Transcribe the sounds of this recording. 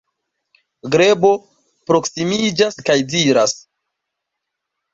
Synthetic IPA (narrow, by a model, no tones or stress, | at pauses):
ɡɾe̞bo̞ | pɾo̞ksimid͡ʒaskajdiɾas